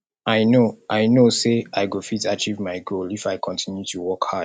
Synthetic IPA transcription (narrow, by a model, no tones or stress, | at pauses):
aɪnoʔaɪnoseaɪɡofitat͡ʃivmaɪɡolifaɪkʰɔ̃ntʰĩnjutuwɔkha